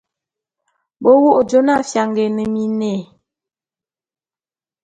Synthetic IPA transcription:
bo˦wu˦ʔd͡ʒo˦na˦˨fja˨ŋɡe˨nə˨mi˨ne˨

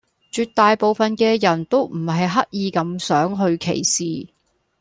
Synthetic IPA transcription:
t͡ʃyː˧t̚t̪ːaː˨˧jpo˨wfɐ˨nkɛː˧jɐ˨˩nt̪o˥wm̩˨˩hɐ˨jɦɐ˥k̚jiː˨˧kɐ˨˧msœː˨˥ŋɦɵ˧ɥkʰḛ˨˩jsiː˨

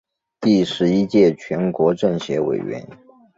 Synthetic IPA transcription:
t̪i˥˩ʂɻ̩˧˥i˥t͡ɕjɛ˥˩t͡ɕʰɥɛ˧˥nkwɔ˧˥ʈ͡ʂɤ˥˩ŋɕɥɛ˧˥wḛ˨˩ɪɥɛ̰˧˥n

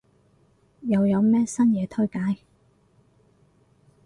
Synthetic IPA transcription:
jɐ˨˧wjɐ˨˧wmɛː˥sɐ˥njɛː˨˧t̪ʰɵ˥ɥkaː˨˥j

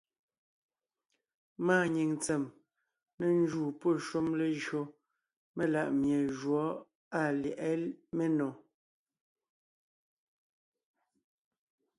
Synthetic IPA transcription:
maː˦˨ɲi˨ŋt͡sɛ˨m | ne˦n̩˦d͡ʒuː˦˨po˦˨ʃu˦mle˦ʒɰo˦ | me˦la˦˨ʔmje˨ʒwɔ˨˦ | a˦˨ljɛ˨ʔɛ˦me˦nɔ̃˨

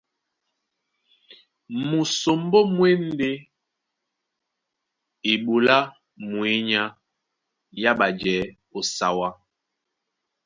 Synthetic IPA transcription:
mu˨so˨m˦bo˦mwe˦n˦de˦ | i˨ɓu˨la˦ | mwe˨˦ɲa˦ | ja˦ɓa˨d͡ʒɛ˨˦ | o˨sa˨wa˦

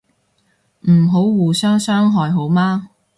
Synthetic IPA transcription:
m̩˨˩ɦo˨˥wwuː˨sœː˥ŋsœː˥ŋɦɔː˨jɦo˨˥wmaː˥

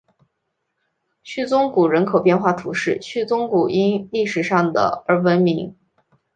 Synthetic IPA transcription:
t͡ɕʰy˥˩t͡sʊ˥ŋku˨˩ɻə˧˥nkʰo˨˩ʊpjɛ˥˧nxwa˥˩t̪ʰu˧˥ʂɻ̩˥˩t͡ɕʰy˥˩t͡sʊ˥ŋku˨˩i˥nli˥˩ʂɻ̩˨˩ʂɑ˥˩ŋd̪ə̰˩ə˞˧˥wə˧˥nmi˧˥ŋ

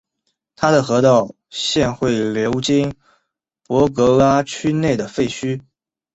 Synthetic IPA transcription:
t̪ʰa˥ɾə˨xɤ˧˥t̪ɑ˥˧ʊ | ɕjɛ˥˧nxwe˥˩ɪljo˧˥ʊt͡ɕi˥ŋ | pwɔ˧˥k̬ɤ˧˥la˥t͡ɕʰy˥ne˥˩ɪd̪ə˩fe˥˩ɪt͡ɕʰy˥

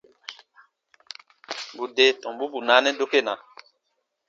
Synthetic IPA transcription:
bu˨de˨tɔ̃˨m˨bu˦bu˨na˨˦nɛ˦do˦ke˦˨na˨

